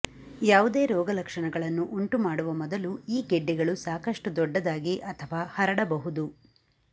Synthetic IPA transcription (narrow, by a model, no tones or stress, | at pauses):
jaːʋud̪e̞ːɾɔːɡɐlɐkʂɐɳɐɡɐɭɐnːuʔuɳʈumaːɽuʋɐmɔd̪ɐluiːɡeɖːiɡɐɭusaːkɐʂʈud̪ɔɖːɐd̪aːɡiʔɐt̪ʰɐʋaːhɐɾɐɽɐbɐɦud̪u